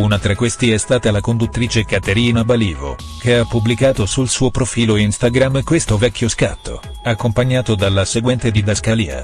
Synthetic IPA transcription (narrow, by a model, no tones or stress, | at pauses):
unat̪ɾakwest̪iɛst̪aːt̪alakond̪ut̪ːɾiːt͡ʃekat̪eɾiːnabaliːvo̰ | k̟eapːublikaːt̪osulsuːopɾofiːloinst̪aɡɾamkwest̪ovɛkʰʲːjoskat̪ːo̰ | akːompaɲːaːt̪od̪alːaseɡwɛnt̪ed̪id̪askaliːa̰